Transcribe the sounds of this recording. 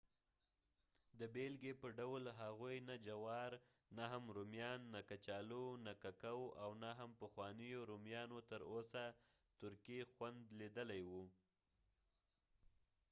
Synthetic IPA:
d̪əbelɡepəɖawlɦaɣujnad͡ʒawɑɾ | naɦamɾomjɑnːakat͡ʃɑlonakakawʔawnaɦampəxwɑnəjoɾomjɑnot̪əɾosa | t̪ʊɾkixwand̪lid̪əlajwu

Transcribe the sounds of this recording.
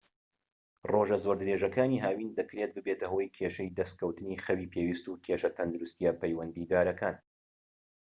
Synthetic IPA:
roʒɐzoːɾd̪ɨɾeʒɐkaːniːɦaːwiːnd̪ɐkɾet̪̚bɨbeːt̪ɐɦojkʰeːʃejd̪ɐst̪̚kʰɐwt̪ɨniːxɐwiːpʰeːwiːst̪ukʲʰeʃɐt̪ʰɐnd̪ɨɾust̪ijapɐjwɐnd̪iːd̪aːɾɐkʰaːn

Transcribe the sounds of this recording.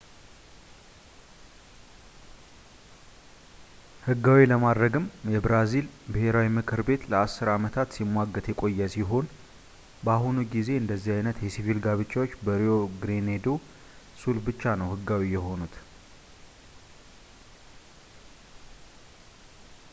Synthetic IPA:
hɨɡːawiləmad̪ɾəɡɨmjɛbɾazilbɨhe̞ɾawimɨkʰʼɨɾbe̞t̪ləasːɨɾamət̪ʰat̪simːwaɡːət̪jɛkʼo̞jːəsiɦo̞n | baɦunuɡize̞ɨnd̪əzːihajnət̪jɛsivilɡaβɨt͡ʃːawo̞t͡ʃːbəɾio̞ɡɾined̪o | sulbɨt͡ʃːanəwhɨɡawijɛɦo̞nut̪

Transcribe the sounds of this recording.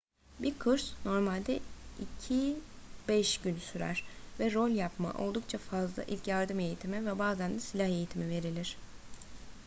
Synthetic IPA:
bikʰɯɾsno̞ɾmalʲd̪ɛicʰib̥ɛʃɟynsyɾæ̰ɾ̥vɛɾo̞lʲjapma̰ʔo̞̰lˠd̪uk̚t͡ʃʰafazlˠa̰ʔḭlʲcjaɾd̪ɯme̞jit̪ʰimivɛbaːzænd̪ɛsilʲahe̞jit̪ʰimive̞ɾilʲiɾ̥

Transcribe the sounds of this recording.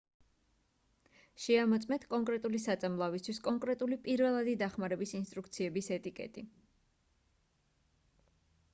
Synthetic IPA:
ʃɛamɔt̪sʼmɛnt̪ʰkʼɔŋkʼɾɛt̪ʼulisat̪sʼamlˠavist̪ʰwiskʼɔŋkʼɾɛt̪ʼulipʼiɾvɛlˠad̪id̪aχmaɾɛbisinst̪ʼɾukʰt̪sʰiɛbisɛt̪ʼikʼɛ̰t̪ʼi

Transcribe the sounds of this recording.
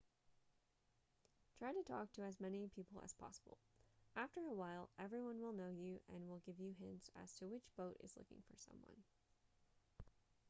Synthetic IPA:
tʰɹ̥aɪɾɨtʰɔk̚tʰɨːzmɛnipʰipl̩ˠə̰z̥pʰɑ̰səbl̩ˠæftə˞əwaɪlˠɛvɹiwʌ̃nwəlˠnoʊjɨʔɨ̃nwɪlˠɡɪvjɨɦɪ̃nsɨ̰z̥tʰɨwɨt͡ʃb̥oʊɾɨ̰z̥lʊ̰kɪ̰̃ŋfə̰˞sʌ̰̃mwʌ̰̃n

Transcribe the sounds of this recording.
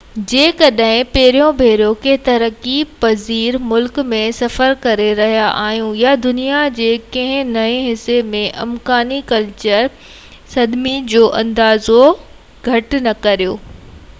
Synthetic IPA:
d͡ʑeːkɐɗɦɪ̃pɐɦɪɾijõbʱeːɾjokeɦt̪ɐɾəkipɐziːɾmʊlkmẽsɐfəɾkɐɾeɾɐɦijaʔaːɦijũjad̪ʊnijad͡ʑeːkɐ̃ɦɪ̃nɐĩɦɪsemẽʔɐ̰mkaːnikɐlt͡ɕəɾ | sɐd̪mid͡ʑoːʔɐ̃nd̪aːzo | ɡʱɐʈnɐkɐɾijoː

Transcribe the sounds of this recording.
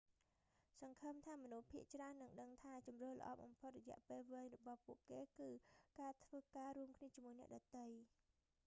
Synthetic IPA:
sɑŋkʰəmt̪ʰaːmɔnuhpʰiəʔt͡ɕraənːɨŋɗəŋt̪ʰaːt͡ɕɑmroːhlə̰̆ʔɑ̰ːɓɑmpʰot̪̚rɔjɛ̆əʔpeːlʋeːɲrɔɓɑhpuəʔkeːkɨːkaːt̪ʰʋəːkaːɾuəmkʰniət͡ɕəmuəjnɛ̆əʔɗɑt̪ɨj

